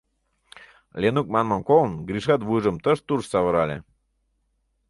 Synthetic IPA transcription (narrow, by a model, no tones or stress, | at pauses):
lʲenuk̚mɑnmɑnkolnɡɾiʃɑt̪βujʒə̆mt̪əʃt̪urʃsɑβə̆ɾɑlʲḛ